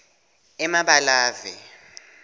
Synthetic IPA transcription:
ɛmaɓalaːvɛ

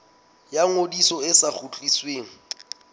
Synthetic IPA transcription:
jaŋodisɔɪsak͡xʰut͡ɬʼisweːŋ̩

